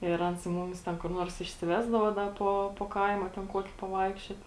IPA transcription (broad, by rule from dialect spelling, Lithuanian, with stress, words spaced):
ɪr ˈɐns ˈmʊmʲɪs ˈtʲɛn kʊr ˈnuɔrs ɪʃʲsʲɪˈʋʲæːzdɐʋoː ˈdɐ poː poː ˈkɐɪmɐ tʲɛn ˈkuɔkʲɪ pɐˈʋɐɪkʃʲt͡ʃʲoːt